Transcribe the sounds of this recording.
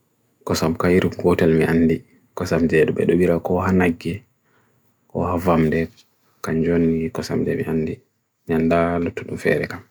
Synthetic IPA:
kɔsamkaiɾumɡɔtɛlmiʔanːdi | kɔsamd͡ʒɛduɓɛ̰ɗɔbiɾakɔɦanaɡːɛ | kɔ̰havamdɛ | kaɲd͡ʒonːikɔsa̰md͡ʒɛ̰mḭʔanːdi | ɲandalotːuɗumfɛ̰ɾɛ̰kam

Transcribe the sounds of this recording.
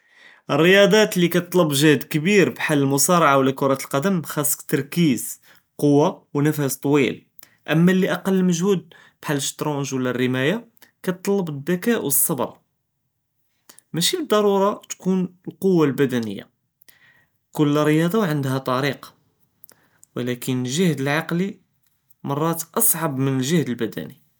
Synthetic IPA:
ərːəjɑd̪ˤɑt̪likæt̪t̪ˤləbʒæhd̪kəbiɾbħalːəlmʊsɑɾˤɑʕawlækʊɾˤɑt̪əlqɑd̪əmxæsə̥kt̪ɑɾˤkiz | qowːawnæfæst̪ˤwḭl | ʔəmːælːiʔɑqɑlːməʒhud̪̚ | b̥ħalːəʃt̪ɾonʒwlærːəmæja | kæt̪t̪ˤləbəd̪ːækæʔwəsˤːɑb̰ɾˤ | mæʃibəd̪ˤːɑɾˤuɾˤɑt̪kunlqowːalbæd̪ænə̰jːa̰ | kʊlːrːəjɑd̪ˤɑwʕənd̪ɦæt̪ˤɑɾiq | wəlækənlʒəhd̪əlʕɑqli | mɑrˤːɑt̪ʔɑsˤʕɑbmənəlʒəhd̪əlbæd̪æ̰ni

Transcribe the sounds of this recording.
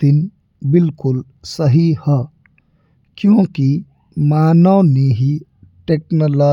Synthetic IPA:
ɪn | bɪlkʊl | sɐɦihɛː | kjõːki | maːnaniɦi | ʈeːknoːlɔː

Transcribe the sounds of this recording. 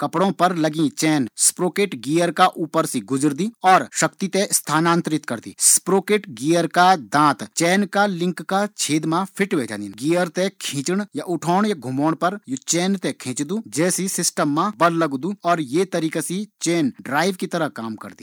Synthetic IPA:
kɐpɽõpɐɾlɐɡĩt͡ʃɛːnspɾoːkeːʈɡiːjəɾkaʔuːpəɾsiɡʊd͡ʒəɾd̪iɔːɾʃɐkt̪it̪ẽst̪ʰaːnãːnt̪ɾɪt̪kɐɾd̪ḭːspɾoːkeːʈɡiːjəɾkad̪ãːt̪t͡ʃɛːnkalɪ̃ŋkːat͡ʃʰeːd̪mãpʰɪʈʋed͡ʒa̰ːninɡiːəɾt̪ekʰĩːt͡ʃɽjaʔʊʈʰɔːɳjaɡʱʊmoːɽpɐɾjot͡ʃɛːnt̪ekʰẽːt͡ʃd̪ud͡ʒɛːsisɪsʈəmːãbɐɾlɐɡd̪uɔːɾjet̪ɐɾiːkasit͡ʃɛːnɖɾaːɪʋkit̪ɐɾəɦkaːmkɐ̰ɾd̪i

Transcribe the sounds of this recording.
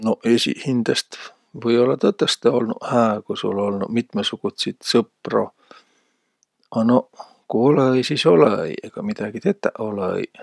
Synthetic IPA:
no̞ʔesʲḭhind̪̥est̪ | vɤjo̞lːɑt̪ɤt̪ːˑest̪eo̞lnuhæːkusṵlo̞lnumit̪ˑmesuɡ̥ut̪sit̪sɤpro̰ | ɑno̞ | kuo̞leejsiːso̞lḛḛjeɡ̥ɑmid̪̥ɑɡ̥it̪e̞t̪ːˑæʔo̞leḛj

